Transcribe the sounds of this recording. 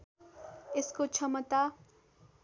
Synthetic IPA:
eskot͡sʰʌmʌt̪a

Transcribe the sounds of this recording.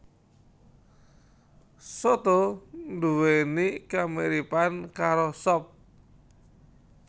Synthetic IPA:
sɔt̪ond̪uwenikameɾipankaɾosɔp̚

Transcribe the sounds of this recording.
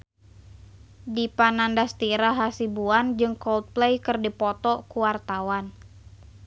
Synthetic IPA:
dipanandast̪iɾaɦasibuand͡ʒɨŋkɔlt̪̚plejkɨrdipɔt̪ɔkuwart̪awan

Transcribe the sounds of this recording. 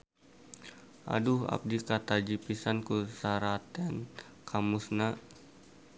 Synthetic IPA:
ʔa̰duɦa̰p̚dikat̪ad͡ʒipisankusaɾat̪ɛn | kʰamusna

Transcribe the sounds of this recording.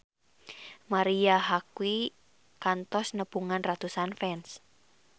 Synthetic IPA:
maɾiaɦakwi | kant̪ɔsnəpuŋanrat̪usanfɛns

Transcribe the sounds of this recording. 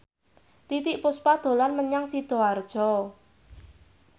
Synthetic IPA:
t̪it̪ɪʔpʊspad̪̥o̤lanməɲaŋsid̪̥ɔ̤ard̥ʒ̥ɔ

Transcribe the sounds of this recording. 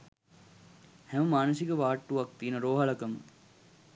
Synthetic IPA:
hæməmaːnəsikəʋaːʈːuʋak̚t̪iːnəɾoːɦaɭɐkəmə̰

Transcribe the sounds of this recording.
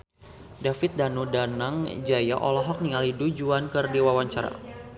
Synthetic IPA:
dafɪt̪̚danudanaŋd͡ʒaja̰ʔɔlɔɦɔk̚niŋalidud͡ʒuankɨrdiwawaɲt͡ʃaɾa̰

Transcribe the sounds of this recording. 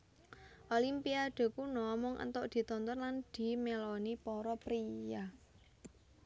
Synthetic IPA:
ʔolimpiaɖ̪̥e̤kunɔmɔŋʔə̰nt̪ʊʔd̪̥i̤t̪ɔnt̪ɔnland̪̥i̤melɔnipɔɾɔpɾija

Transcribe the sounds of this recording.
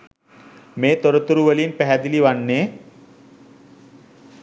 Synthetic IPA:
met̪əɾət̪əɾuʋəliːnpɛɦad̪iliːʋaɳːe

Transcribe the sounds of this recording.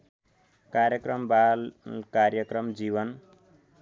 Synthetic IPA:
kaɾjʌkrʌmbalkarjʌkrʌmd͡ziβʌn

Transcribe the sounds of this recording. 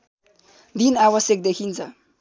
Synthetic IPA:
d̪inawʌsjʌk̚d̪ekʰint͡sʰʌ

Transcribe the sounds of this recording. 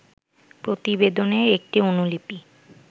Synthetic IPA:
pɾot̪ibed̪oneek̚ʈionulipi

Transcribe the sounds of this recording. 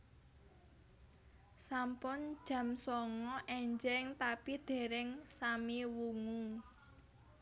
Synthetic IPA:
sampʊn̥ʒ̥ä̤msɔŋɔʔɛɲd͡ʒɛŋt̪apid̪̥e̤ɾɪŋsamiwuŋu

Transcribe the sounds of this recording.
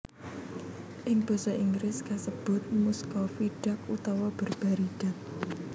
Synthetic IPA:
ʔɪŋb̥ɔ̤sɔʔiŋɡɾɪskasəb̥ʊ̤t̪̚muskɔfiɖ̥a̤k̚ut̪ɔwɔb̥ə̤rb̥aɾiɖ̥a̤k̚

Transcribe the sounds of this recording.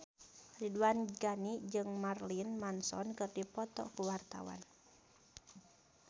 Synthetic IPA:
riduanɡanid͡ʒɨŋmarlinmansɔ̰nkɨrdipɔt̪ɔ̰kuwart̪a̰wa̰n

